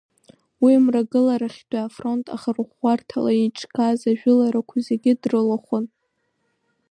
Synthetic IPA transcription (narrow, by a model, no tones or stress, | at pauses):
wimraɡɨlaɾaχʲdʰʼaːfro̞ntʰʼa̰χarχartʰalait͡ʃʰʼkʰʼazaʒᶣʊlaɾakʷʰazeɡʲɪdrɨlaχʷʊn